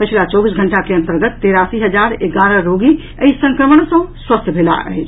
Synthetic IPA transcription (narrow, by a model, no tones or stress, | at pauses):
pət͡ʃʰlat͡ʃɔbis̬ɡʱəɳʈakeənt̪əɾɡət̪ːeɾasiɦəd͡ʒaɾeɡaɾəɾoɡi | əisə̃ŋkɾəməɳsə̃swəst̪ʰbʱela̰ə̰ɦet͡ʃʰ